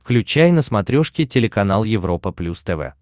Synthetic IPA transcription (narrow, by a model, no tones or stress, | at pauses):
klʲʉt͡ɕæjnəsmɐt̪ɾʲoʂkʲɪtʲɪlʲɪkɐnalˠjɪvɾo̞pəplʲust̪ɛvɛ̰